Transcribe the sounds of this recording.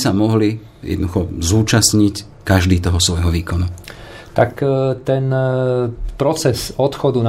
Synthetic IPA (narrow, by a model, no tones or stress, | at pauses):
samɔɦli | jɛ̰d̪nɔd̪uxɔzuːt͡ʃasɲic | kaʒd̪iːt̪ɔɦɔsʋɔjɦɔʋiːkɔnu | t̪akt̪ɛn | pɾɔt͡sɛsɔt̪xɔd̪un